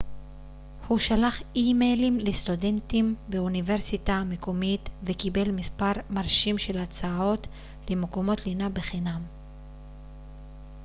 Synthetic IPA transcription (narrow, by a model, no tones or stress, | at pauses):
huʃalaχimejlimlest̪ude̞ntimbeuniveʁsitamekomit̪vekibe̞lmispaʁmaʁʃimʃe̞lat͡sao̞t | lemekomo̞t̪linabeχinam